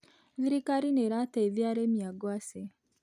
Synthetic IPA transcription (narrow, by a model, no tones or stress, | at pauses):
ziɾikaɾineɾataiðjaɾemjaɡwase